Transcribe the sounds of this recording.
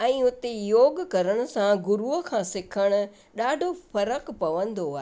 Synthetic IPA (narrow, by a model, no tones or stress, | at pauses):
ɛ̃ːʊt̪ejoːɡkɐɾəɽ̃ʊ̆sãɡʊɾuəkʰãːsɪkʰəɽ̃ʊ̆ | ɗaːɖʱofɐɾəkpɐʋə̃nd̪oaːɦ